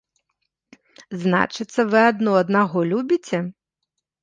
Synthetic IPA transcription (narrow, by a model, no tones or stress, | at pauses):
zna̰t͡ʃɪt̪sːɐʋɨad̪nɔɐd̪naɣɔlʲubʲit͡sʲɛ